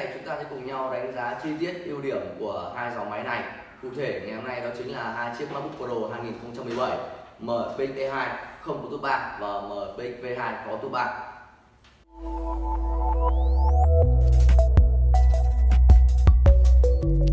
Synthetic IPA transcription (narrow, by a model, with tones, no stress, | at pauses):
jt͡ɕʊ˨˦ŋ͡mt̪aː˧sə̰ː˨˦jkʊ˨˩ŋ͡mɲa˧wɗa˨˦jŋ̟zaː˨˦t͡ɕi˧t̪i˦˥ət̚ʔi˧əwɗi˧˩əmku˧˩əhaː˧jza˨˦wma˨˦jna˨˩j | kṵ˧˨t̪ʰe˧˩ŋa˨˩jhɔ˧na˧jɗɔ˨˦t͡ɕï˨˦ŋ̟laː˨˩ɦaː˧jt͡ɕi˦˥əp̚maː˦˥ɓʊ˦˥k͡p̚kə˧˩ɗo˧˩ɦaː˧jŋi˨˩nxə˧wŋ͡mt͡ɕa˧mɨ˨˩ə˩ɓə˧˩jməː˨˩ɓï˧˦˥ŋ̟̚ʔ̪e˧ɦaː˧jxə˧wŋ͡mkɔ˨˦˩t̪u˦˥t̚ɓa̰ː˧˨nvaː˨˩məː˨˩ɓï˧ŋ̟ve˧ɦaː˧jkɔ˨˦t̪u˦˥t̚ɓa̰ː˧˨nʔ